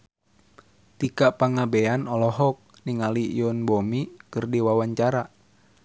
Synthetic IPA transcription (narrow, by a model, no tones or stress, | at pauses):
t̪ikapaŋabɛanɔlɔɦɔk̚niŋalijɔnbomikɨrdiwawaɲt͡ʃaɾa